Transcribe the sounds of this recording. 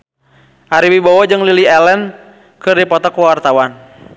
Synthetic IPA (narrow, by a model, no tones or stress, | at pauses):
ʔaɾibibɔwɔd͡ʒɨŋliliɛlɛn | kɨrdipɔt̪ɔkuwart̪awan